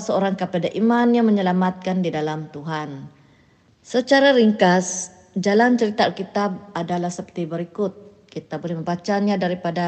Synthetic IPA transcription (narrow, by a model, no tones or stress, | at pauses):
səoɾaŋkapadaʔimanjaŋməɲəlamat̪̚kandidalamt̪uɦan | sət͡ʃaɾaɾiŋkas | d͡ʒalant͡ʃəɾit̪aalkit̪ab̚adalahsəpərt̪ibəɾikʊt̪̚ | kit̪abolɛhməmbat͡ʃaɲadaɾipada